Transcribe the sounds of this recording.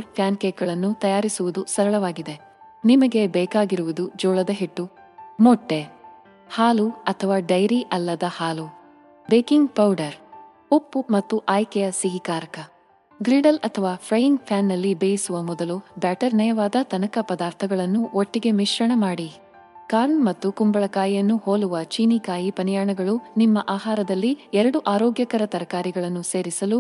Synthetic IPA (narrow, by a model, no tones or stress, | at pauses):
ɐɾpʰjaːnkeːkɐɭɐnːut̪ɐjaːɾisuʋud̪usɐɾɐɭɐʋaːɡid̪e | nimɐɡe̞bɛːkaːɡiɾuʋud̪ud͡ʒɔːɭɐd̪ɐɦiʈːu | mɔʈːe | haːluɐt̪ʰɐʋaːɖɐjɾiʔɐlːɐd̪ɐhaːlu | beːkiŋɡpɐwɖɐɾ | opːumɐt̪ːuʔaːjkɛjɐsiɡikaːɾɐkɐ | ɡɾiːɖɐlɐt̪ʰɐʋaːpʰɾɐjiŋɡpʰaːnːɐlːibeːjisuʋɐmɔd̪ɐlubaːʈɐɾnɐjɐʋaːd̪ɐt̪ɐnɐkɐpɐd̪aːɾt̪ʰɐɡɐɭɐnːuʔoʈːiɡe̞miʃɾɐɳɐmaːɽi | kaːɾnmɐt̪ːukumbɐɭɐkaːjjɐnːuhoːluʋɐt͡ʃiːnikaːjipɐnjaːɳɐɡɐɭunimːɐʔaːɦaːɾɐd̪ɐlːiɛɾɐɽuʔaːɾoːɡjɐkɐɾɐt̪ɐɾɐkaːɾiɡɐɭɐnːuse̞ːɾisɐlu